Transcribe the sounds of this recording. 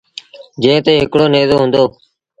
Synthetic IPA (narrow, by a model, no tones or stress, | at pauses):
d͡ʒẽːt̪eːɦɪkɽoːneːzoːɦʊ̃nd̪oː